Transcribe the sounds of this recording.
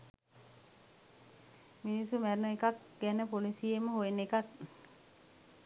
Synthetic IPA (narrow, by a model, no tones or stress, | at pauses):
minisumæɾnəekak | ɡænəpolisijeməɦoenekak̚